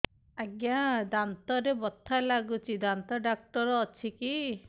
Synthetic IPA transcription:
aɡjad̪ant̪ɔɾebɔt̪ʰːalaɡut͡ʃʰid̪ant̪ɔɖak̚ʈɔɾɔːt͡ʃʰiki

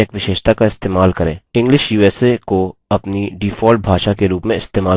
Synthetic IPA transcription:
eːkʋɪʃeːʃt̪akaɪst̪eːmaːlkɐɾḛ̃ːɪ̃ŋɡlɪʃjuːɛːsekoɐpniɖiːfʰɔːlʈ̚bʱaːʃakeɾuːpmẽɪst̪eːmaː

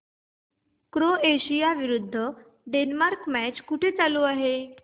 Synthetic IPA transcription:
kɾoeɕijaʋiɾud̪ʱːə | ɖenmaɾkmæt͡ɕkuʈʰet͡saluaɦe

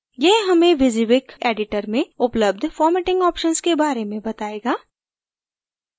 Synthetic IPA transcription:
jeɦɦɐmẽʋɪziʋɪkeːɖɪʈəɾmẽʊpləb̚d̪ʱfɔːɾmɛːʈɪ̃ŋɡɔːpʃənskebaːɾemẽbɐt̪aːeːɡaː

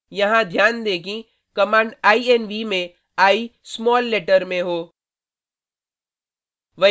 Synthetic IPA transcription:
jɐɦãd̪ʱjaːnd̪eːkĩ | kɐmãːɳɖaːiɛnʋimẽ | aːismɔːlːeːʈəɾmẽɦoː | ʋɐ

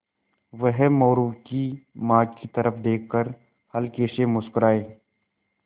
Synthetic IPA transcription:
ʋəɦmɔːɾuːkimaːd͡ʒkit̪əɾəfd̪eːkʰːəɾ | hɐlkeːʃemʊskɾaːeː

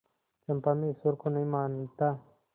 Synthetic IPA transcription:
t͡ʃɐmpamisuɾkonɐimaːnt̪a

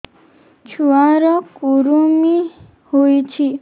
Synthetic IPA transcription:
t͡ʃʰuaɾɔkuɾumi | hojt͡ʃʰi

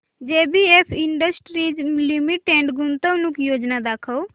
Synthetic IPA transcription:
d͡ʒeːbieːpʰɪ̃ɳɖəsʈɾiːd͡ʒlimiʈẽːɳʈɡʊnt̪əʋnukjoːd͡ʒnad̪aːkʰəo

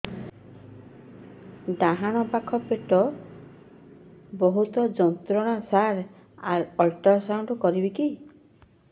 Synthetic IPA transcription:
d̪aɦaɽ̃ɔpakʰɔpeʈɔ | bɔɦut̪ɔd͡ʒɔnt̪ɾɔɽ̃asaɾ | aɾɔlʈɔɾsawɳɖkɔɾibiki

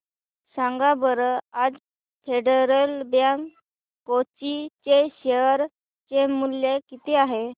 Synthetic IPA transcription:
sãŋɡabəɾəad͡z | fʰeɖəɾəlbjãŋkː | ot͡ɕit͡ɕeɕeɾ | t͡ɕemulːjekit̪eaɦe

